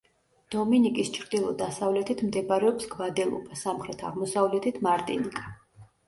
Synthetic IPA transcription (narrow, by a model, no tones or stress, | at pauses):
d̪̥ɔminikʼist͡ʃʰɾd̪ilˠɔ̰d̪asavlɛt̪ʰit̪ʰmd̪ɛbaɾɛɔpsɡvad̪ɛlˠɔ̰bʼasamχɾɛt̪ʰaʁmɔsavlɛt̪ʰit̪ʰmaɾt̪ʼḭnikʼa